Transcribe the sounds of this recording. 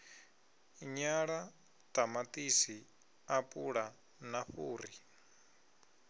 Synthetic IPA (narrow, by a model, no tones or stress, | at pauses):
ɲaɺa | t̪ʼamat̪ʼisi | apʼuɺa | naɸuːri